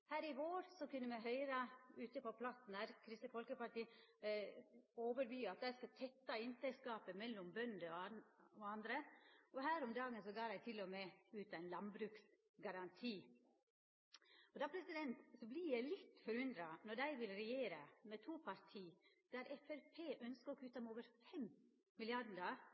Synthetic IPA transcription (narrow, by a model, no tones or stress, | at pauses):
hæːɾɪɡoːɾsɔkʉnːəmɛɦœʏɾɑʉːt̪əpɔpʰlɑt̪n̩æɾkʰɾɪst̪əfɔlkəpɑʈ̪iː | oːʋəɾʋyːɑt̪̚d̪æɪskɑt̪ʰɛt̪ːɑɪnt̪æɪskɑːpəmɛlːɔmbœnd̪əɔɔɑnd̪ɾəɔɦæːɾɔmd̪ɑːɡənsɔɡɑːɾæɪt̪ʰɪlːɔmɛʉːt̪æɪnlɑnbɾʉːks | ɡɑɾɑnt̪ʰiː | ɔd̪ɑːpʰɾɛsɪd̪ɛnt̪sɔblɪjæɪlɪt̪ːfɔɾʉnd̪ɾɑnɔɖæɪʋɪlɾɛjeːɾəmɛt̪ʰuːpʰɑɾt̪ʰiː | d̪̥æɾɛfɛɾpʰeːʔœnskəɔkʰʉːt̪ɑmoːʋəɾfɛm | mɪlɪɑɖ̩dɑ